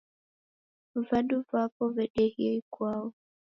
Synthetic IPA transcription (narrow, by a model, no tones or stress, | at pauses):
vanduvapɔvɛɗɛhiɛikwaɔ